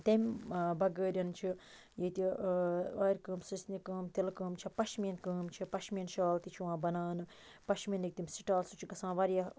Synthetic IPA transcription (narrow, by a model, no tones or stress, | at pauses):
t̪ɐmʲbɐɡəːɾʲɐnt͡ʃʰi | jeːt̪i | ɐːjɾʲkəːmsɨsʲnʲikəːmt̪ilkəːmt͡ʃʰipɐʃmjɐnkəːmt͡ʃʰipɐʃmʲjɐnʃaːlt̪it͡ʃʰiʋãːbɐnaːnɨ | pɐʃmʲɐnːik̚t̪imʲsiʈaːlsut͡ʃʰiɡɐsãːʋɐːɾʲja